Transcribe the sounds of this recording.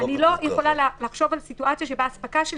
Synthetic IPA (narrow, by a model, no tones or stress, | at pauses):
anilo̞jeχo̞lallaχʃo̞valsituʔat͡sjaʃe̞baːsbakaʃel